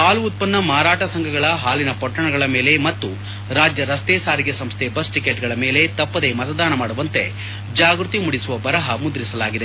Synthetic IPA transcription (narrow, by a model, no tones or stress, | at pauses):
ɦaːluːt̪̚pɐnːɐmaːɾaːʈɐsɐŋɡʱɐɡɐɭɐɦaːlinɐpɐʈːɐɳɐɡɐɭɐme̞ːle̞mɐt̪ːu | ɾaːd͡ʒjɐɾɐst̪eːsaːɾiɡesɐmst̪ʰebɐsʈikeʈɡɐɭɐme̞ːle̞t̪ɐpːɐd̪e̞mɐt̪ɐd̪aːnɐmaːɽuʋɐnt̪e̞ | d͡ʒaːɡɾut̪imuɽisuʋɐbɐɾɐɦɐmud̪ɾisɐlaːɡid̪e̞